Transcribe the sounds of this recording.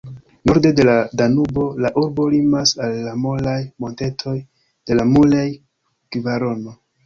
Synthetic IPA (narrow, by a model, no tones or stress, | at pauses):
no̞ɾde̞de̞ladanubo̞laʔuɾbo̞limasalːamo̞lajmo̞nte̞tʰo̞j | d̥e̞lamulaj | kivaɾo̞no̞